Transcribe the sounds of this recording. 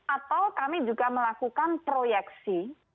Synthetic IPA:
ʔat̪awkamid͡ʒuɡaməlakukanpɾojɛksi

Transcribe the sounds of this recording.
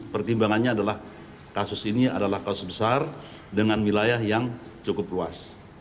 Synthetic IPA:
pərt̪imbaŋanɲaːdalah | kasʊsiniadalahkasʊ̥sbəsar | dəŋanwilajahjaŋt͡ʃukʊpluas

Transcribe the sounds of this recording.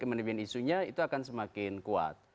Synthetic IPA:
kəmənəbanisuɲait̪uakansəmakɪnkua̰t̪̚

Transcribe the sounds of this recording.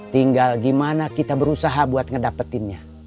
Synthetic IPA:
t̪iŋɡalɡimanakit̪abəɾusaɦabuat̪̚ŋədapət̪ɪnɲa

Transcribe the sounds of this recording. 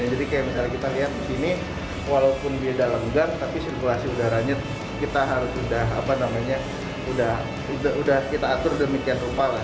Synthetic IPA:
d͡ʒadikajamisalakit̪aliɦat̪̚disini | walaupʊnbiadaləŋɡart̪apisirkulasiudahɾaɲət̪̚ | kit̪aɦaɾʊsudaɦa̰panamaɲa | udah | udaudahkit̪aːt̪ʊrdəmikianrupala

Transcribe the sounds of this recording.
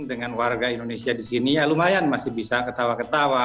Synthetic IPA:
dəŋanwarɡaindonesiadisinialumajanmasɪhbisakət̪awakət̪awa

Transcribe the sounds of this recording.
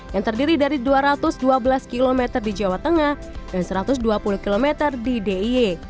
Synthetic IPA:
jaŋt̪ərdiɾidaɾiduaɾat̪ʊsduabəlaskilomɛt̪ərdid͡ʒawaht̪əŋah | dansəɾat̪ʊsduapuluhkilomɛt̪ərdideie

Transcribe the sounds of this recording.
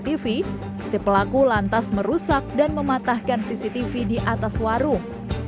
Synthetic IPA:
t̪ifi | səpəlakulant̪asməɾusak̚danməmat̪ahkansisit̪ifidiʔat̪aswaɾuŋ

